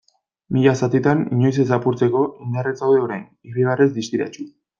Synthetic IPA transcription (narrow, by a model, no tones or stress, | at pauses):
miʎasat̪it̪aniɲo̞js̬e̞s̬apuɾt͡se̞ko̞ind̪aret͡sawðe̞o̞ɾajn | iriβarezd̪ist̪iɾa̰t͡ʃu